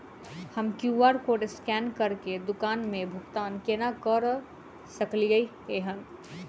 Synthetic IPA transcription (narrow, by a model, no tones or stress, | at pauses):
həmkjuaːɾkoʈskɛːnkəɾked̪ʊkaːnmẽbʱʊkt̪aːnkenakəɾ | səkliɡəi | eɦən